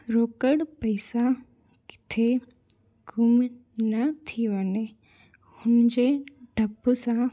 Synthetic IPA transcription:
ɾoːkəɽpɐɪsa | kɪ̥t̪ʰe | ɡʱʊmnɐt̪ʰiʋəne | hʊnd͡ʑeɖʱəbusã

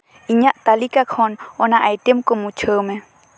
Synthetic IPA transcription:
iɲãʔt̪alikakʰononaʔajt̪emkomũt͡ʃʰəmẽ

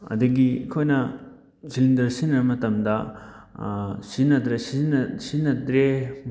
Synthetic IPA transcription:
ɐ̰dɐɡikʰojnɐ | silindɐɾsinɾɐmɐtɐmdɐ | sinɐd̪ɾesinsinɐdɾe

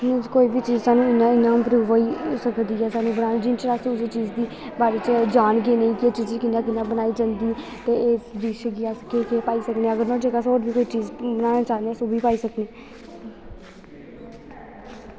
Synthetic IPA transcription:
koːiːbʱiːt͡ʃiːzsaːnũːɪnãːɪnːaːpɾuːʋiːsəkd̪iːɦɛːsaːnũːbənaːnːd͡ʒɪnt͡ʃɾaːsʊseːt͡ʃiːd͡ʒd̪iː | baːɾeːt͡ʃd͡ʒaːnɡeːnə̃ĩːkɪeːt͡ʃiːd͡ʒkɪnːãːkɪnːaːbənaːiːd͡ʒənd̪iː | t̪eːeːd̪iːʃeɡɪaːsəkeːkepaːiːsəkneːəɡəɾnãːd͡ʒekaːsoːɾbiːkoːiːt͡ʃiːzbənaːnaːt͡ʃaːneɛːsoːbʱiːpaːiːsəkneː

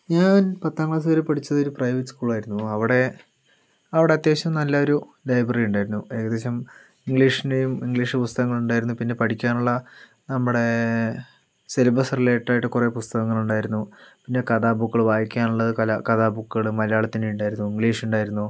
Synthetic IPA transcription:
ɲaːnpɐt̪ːaːŋɡɭaːs̬ɐɐɾepɐʈʰit͡ɕːɐðo̞ɾuprɐjʋeʈːskuːɭaːjiɾunːuɐʋiɽe̞ | ɐʋiɽe̞ɐt̪jaːɕɐmnɐlːaoɾulɐjbrɐrijuɳɖaːjiɾunːue̞ːkɐðe̞ːɕɐm | iŋɡɭiːʂinejumiŋɡɭiːʂɨpust̪ɐɣɐŋːɐɭuɳɖaːjiɾunːupinːe̞pɐʈʰikʲːaːnuɭːɐ | nɐmːuɽe̞ | selɐbɐsɐrile̞ːʈːaːjiʈːɨkure̞pust̪ɐɣɐŋːɐɭuɳɖaːjiɾunːupinːe̞kɐðaːbukːɐɭʋaːjikʲːaːnuɭːɐðɨkɐlkɐðaːbukːɐɭɨmɐlɐjaːɭɐt̪ːinejuɳɖaːjiɾunːuiŋɡɭiːʂuɳɖaːjiɾunːu

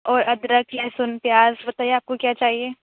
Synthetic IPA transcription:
ɔːɾɐd̪ɾəkʰlɛːsʊnpjaːzbɐt̪aːijaːp̚kokjaːt͡ʃaːɦieː

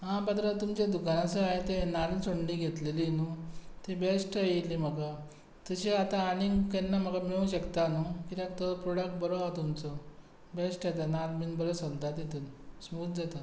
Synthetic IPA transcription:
ɦãbat̪ɾət̪umt͡ɕed̪ukanasəaɦet̪enalt͡soɳliɡʱet̪lelinut̪ebesʈəjilim̤əɡa | t̪əɕeat̪ãːɽ̃iŋkenːam̤əɡameũɕəkt̪anukit̪akt̪əpɾoɽək̚ʈ̚bəɾoat̪umt͡sɔ | besʈat̪analminbəɾəsənd̪at̪et̪unsmut̪̚d͡zat̪a

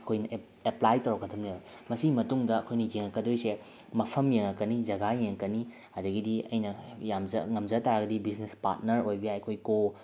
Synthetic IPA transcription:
ɐkʰojnɐ | eplajtɐwɾɐkːɐtʰɐmlebɐ | mɐsiɡimɐtuŋdɐɐkʰojnɐjeŋɐkːɐdojse | mɐpʰɐmjeŋɐkːɐnid͡ʒɐɡajeŋkɐni | hɐdɐɡidiɐ̰jnɐjamzɐ̰ŋɐmzɐtaɾaɡɐdibiznespa̰ɾt̚nɐɾojbɐjaɐkʰojko

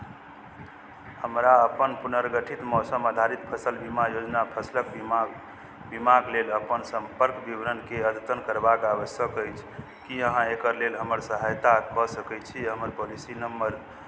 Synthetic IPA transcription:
həmɾaəpənpunəɾɡəʈʰit̪mɔsəmad̪ʱaɾit̪̚pʰəsəlbimajod͡ʒnapʰəslək | bimaɡleləpənsəmpəɾkbibɾənkeəd̪t̪ənkəɾbakaβəsjəkəjt͡ʃʰ | kiəɦãekəɾlelɦəməɾsəɦajt̪akɔsəkɛt͡ʃʰiɦəməɾpolisinəmːəɾ

